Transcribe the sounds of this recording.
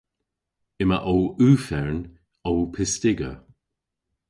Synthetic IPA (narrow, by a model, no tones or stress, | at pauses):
ɪməʔowʉːfɛɹn | owpʰɪstɪɡə̰